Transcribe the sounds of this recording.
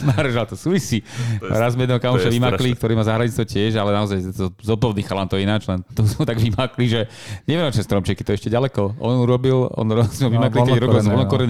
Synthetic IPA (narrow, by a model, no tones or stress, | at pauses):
maɾɛʒat̪ɔsuːʋisḭɾazmɛɛd̪nɛɦɔkamɔʃaʋimaklik̚t̪ɔɾiːmaːzaɦɾaɲit͡st̪ʋɔcɪɛʒalɛnaɔzajzɔpɔʊd̪iːxalant̪ɔjɛinad͡ʒlɛnt̪ɔzɛt̪aɡʋimakliʒɛɲɛʋinɔt͡ʃnɛst̪ɾɔmt͡ʃɪɛkit̪ɔɛʃcɛɟalɛkɔɔ̰nuɾɔbilɔ̰nɾɔzmɛʋimaklikɛɾɔilzʋɔlnɔkɔɾɛni